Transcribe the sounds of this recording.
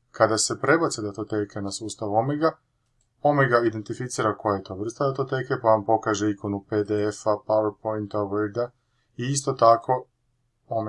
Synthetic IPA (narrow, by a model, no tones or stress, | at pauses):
kad̪ase̞pɾe̞based̪at̪ot̪ekʰe̞nasuːst̪aʋuomeɡa | omeɡaid̪e̞nt̪ifit̪siːɾako̞jajet̪o̞ʋr̩st̪ad̪at̪ot̪eke̞paʋampo̞kaːʒe̞iko̞nuped̪eefapawɾpojnt̪aʋəɾd̪a | iist̪o̞t̪akʰo̞ | ome